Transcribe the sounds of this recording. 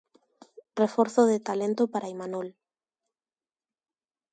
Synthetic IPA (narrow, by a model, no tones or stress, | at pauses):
refoɾθoðet̪alent̪opaɾaimanol